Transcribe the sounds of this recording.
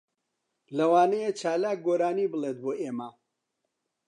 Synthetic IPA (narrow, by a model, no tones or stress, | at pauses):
lɐwaːnɐjet͡ʃaːlaːk̚ɡoːɾaːnibɨlˠet̪̚boːʔeːma